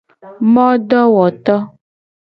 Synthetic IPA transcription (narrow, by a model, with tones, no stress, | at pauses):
mɔ̃˦ɖɔ˦wɔ˨t̪ɔ˦